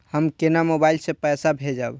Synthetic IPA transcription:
həmkenamobajlsẽpəjsabʱed͡ʒab

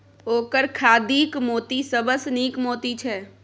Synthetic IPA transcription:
oːkəɾkʰaːd̪iːkmoːt̪isəbəsniːkmoːt̪it͡ʃʰɛː

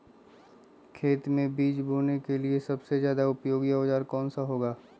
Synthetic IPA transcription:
kʰeːt̪mẽbiːt͡ʃbʱoːnekeliesɐbsezjaːd̪aʊpjoːɡijaod͡ʒaːɾkɔːnsaɦoːɡaː

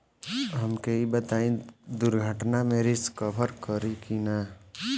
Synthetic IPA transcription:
ɦəmkeibət̪aːĩd̪uɾɡʱəʈnameɾiskəpʰəɾkəɾikina

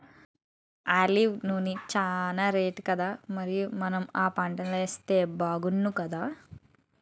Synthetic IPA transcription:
aːliʋnuːnit͡ʃaːnaːɾeːʈkɐd̪aːmɐɾijumɐnɐmaːpaːɳʈɐnlɐest̪eːbaːɡunːukɐd̪aː

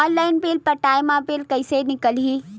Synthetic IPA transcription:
ɔːnlaːɪnbiːlpəʈaːjmãbiːlkɐɪsenɪkəlɦiː

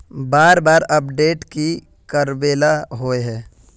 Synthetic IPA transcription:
baːɾbaːɾəp̚ɖeːʈki | kəɾbeːlaɦoeɦɛː

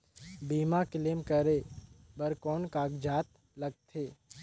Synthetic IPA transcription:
biːmakɪlemkəɾeːbɐɾkɔːnkaːɡd͡ʒaːt̪ | lɐɡ̚t̪ʰeː

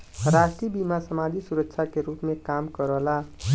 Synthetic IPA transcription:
ɾaʃʈibimasəmad͡ʒʱisuɾəkʃʰakeɾuːpmẽkaːmkəɾəɦla

